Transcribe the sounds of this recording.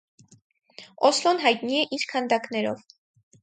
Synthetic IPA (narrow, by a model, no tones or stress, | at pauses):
ɔslɔnɦɑjt̪niɛʔiɾkʰɑnd̪ɑknɛɾɔv